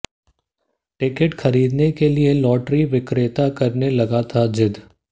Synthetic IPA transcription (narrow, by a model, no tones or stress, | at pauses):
ʈɪkɪʈxɐɾiːd̪nekelielɔːʈɾiʋɪkɾeːt̪akɐɾnelɐɡat̪ʰad͡ʒɪd̪